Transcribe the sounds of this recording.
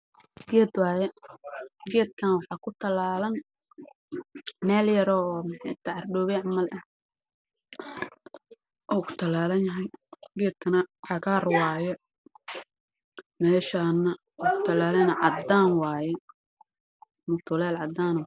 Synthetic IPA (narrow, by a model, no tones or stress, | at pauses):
ɡɛːd̪wɑːjɛ | ɡɛːd̪̚kʰɐnwɑħɑːkʰʊt̪ʰɐlaːlɐn | mɛːljɐɾɔːmħɛjt̪ʰɐʕɑrɖɔːβɛːʕmɐlʔɐ | ʔɔːkʰʊ̥t̪ʰɐlaːlɐnjɐɦɛjɡɛːd̪̚kʰɐnɐʕɑɣaːrwaːjɛ | mɛːʃaːnːɐ | ɔːkʰʊ̥t̪ʰɐlaːlɐnɐʕɑd̪aːnwaːjɛ | mʊt̪ʰʊlɛːlʕɑd̪ːaːnɔ